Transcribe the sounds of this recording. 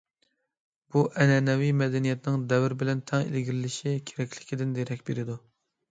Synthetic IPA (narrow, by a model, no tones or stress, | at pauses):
b̥uʔɛnɛnɛwijmɛd̪ɛnijɛt̪nɪŋd̪ɛvɪɾbɪlɛnt̪ʰɛŋḛlɡʲiɾɪlɪʃikʲʰeɾɛkʲlɪ̥kʲid̪ɪnd̪eɾɛkʲbeɾɪd̪u